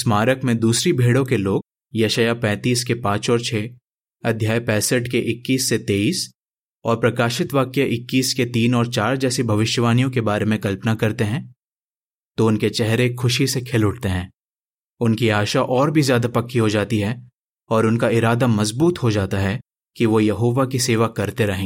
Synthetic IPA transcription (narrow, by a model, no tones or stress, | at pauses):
smaːɾəkmẽd̪uːsɾibʱeːɽõkeloːɡ̚ | jɐʃajapɛ̃ːt̪iːskepãːt͡ʃɔːɾt͡ʃʰeː | ɐd̪ʱjaːjpɛːsəʈkeʔɪkːiːsːet̪eːiːs | ɔːɾpɾɐkaːʃɪt̪ʋaːkjaʔɪkːiːsket̪iːnɔːɾt͡ʃaːɾd͡ʒɛːsibʱɐʋɪʃjəʋaːnijõkebaːɾemẽkɐlpənakɐɾt̪eɦɛ̃ː | t̪oʊnket͡ʃɛɦɾekʰʊʃisekʰɪlʊʈ̚ʰt̪eɦɛ̃ː | ʊnkiaːʃaʔɔːɾbʱizjaːd̪apɐkʰːiɦod͡ʒaːt̪iɦɛ | ɔːɾʊnkaɪɾaːd̪amɐzbuːt̪ɦod͡ʒaːt̪aɦɛ | kiʋojɐɦoːʋakiseːʋakɐɾt̪eɾɐɦẽː